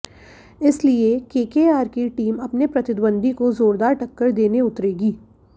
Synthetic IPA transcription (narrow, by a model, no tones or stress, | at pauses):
ɪsliekeːkeːaːɾkiʈiːmɐpnepɾɐt̪ɪd̪bə̃nd̪ʱikozoːɾd̪aːɾʈɐkːəɾd̪eːneʊt̪ɾeːɡiː